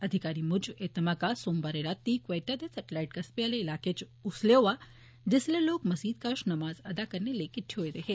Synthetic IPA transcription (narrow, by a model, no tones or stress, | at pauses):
ɐd̪ʱikaɾimud͡ʑet̪ɐmakasoːmbaɾelat̪ːikʋejʈad̪esɐʈilaiʈ̚kɐspijaleilaːket͡ʃ | usleʋa | d͡ʑesleloːkmɐsiːd̪kaʂnɐmaːzɐd̪akəɾnelekiʈʰiɦojd̪eɦe